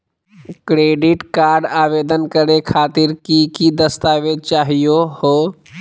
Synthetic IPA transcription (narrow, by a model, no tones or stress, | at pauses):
kɾeːɖɪʈkaːɾɖaːʋed̪ənkəɾekʰaːt̪ɪɾkikid̪əst̪aʋet͡ʃaːɦijoho